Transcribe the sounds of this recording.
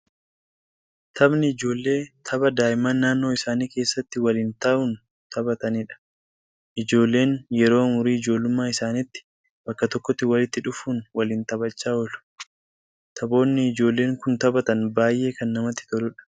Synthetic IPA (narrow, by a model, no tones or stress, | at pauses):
t̪ɐbnɪɪd͡ʒo̞ːlːe̞ːt̪ʰɐbɐd̪aːʔɪmaːnːaːnːo̞ːɪsaːniːke̞ːsːɐt̪ːɪwɐliːnt̪ɐʔʊn | t̪ɐbɐt̪ɐniᶑɐ̥ | ʔɪd͡ʒo̞ːlːe̞ːnjɛɾo̞ːmʊɾiːɪd͡ʒo̞ːlːʊmːaːɪsaːnɪt̪ːɪ̥ | bɐkːɐt̪ɔkːɔt̪ːɪwɐlɪt̪ːɪᶑʊfuːnwɐliːnt̪ɐbɐt͡ʃːaːɔlʊ̥ | t̪ʰɐbo̞ːnːɪːd͡ʒo̞ːlːe̞ːŋkʊnt̪ɐbɐt̪ɐnbaːjʔe̞ːkɐnːɐmɐt̪ːɪ̥t̪ɔlʊᶑɐ̥